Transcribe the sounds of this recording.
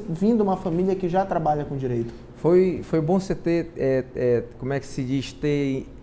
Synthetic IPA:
vĩd̪ʊũmɐfɐmiliɐkɪʒat̪ɾabaʎɐkõd͡ʒiɾejt̪ʊ̥ | fojfojbõset̪eɛɛkõmʊɛkɪ̥sɪd͡ʒiʃt̪ẽ

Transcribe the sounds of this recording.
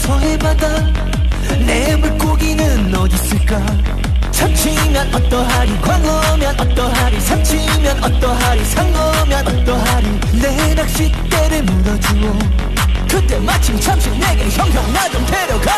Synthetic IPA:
sʰoɦebada | nemɯɭk͈oɡinɯnːʌd͡ʑis͈ɯɭk͈a | t͡ɕʰamɕʰi | mjʌnʔʌt͈ʌɦaɾikwaŋʌ | mjʌnʔʌt͈ʌɦaɾisʰamt͡ɕʰi | mjʌnʌt̪͈ʌɦaɾisʰaŋɡʌmjʌnʌt͈ʌɦaɾi | ne | ɾak̚ɕ͈i | t̪͈eɾɯmuɾʌd͡ʑuɡo | kɯt͈e̞mat͡ɕʰimt͡ɕʰamɕʰikneɡeɕʰʌŋpjʌŋnanɯmtʰeɾʌɡa

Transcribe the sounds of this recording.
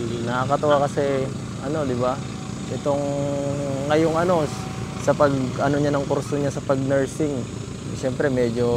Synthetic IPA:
nɐkɐt̪ʊʔakɐsɛ | ʔɐno̞d̪ɪba | ʔɛt̪o̞ŋː | ɐjoŋʔɐno̞ | sɐpɐɡʔɐno̞ɲanɐŋkoɾsoɲasɐpɐɡ̚nɛɹsɪŋ | ʃɛmpɾɛmɛːd͡ʒo̞

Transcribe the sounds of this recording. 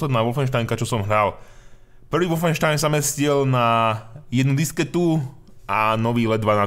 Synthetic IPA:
lɛd̪naːʋɔfɛnʃ̬t̪ajŋkat͡ʃɔsɔmɦɾal | pr̩ʋiːʋɔfɛnʃt̪ajnksamɛscilnajɛd̪nud̪iskɛt̪u | anɔʋiːlɛd̪ʋana

